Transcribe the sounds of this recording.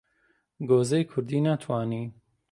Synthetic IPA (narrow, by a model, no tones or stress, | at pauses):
ɡoːzejkʰʊɾd̪iːnat̪ʰwɑːniː